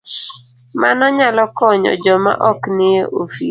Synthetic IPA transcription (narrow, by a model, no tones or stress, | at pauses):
manɔɲalɔkɔɲɔ̰d͡ʒɔma̰ʔɔknɪeʔofi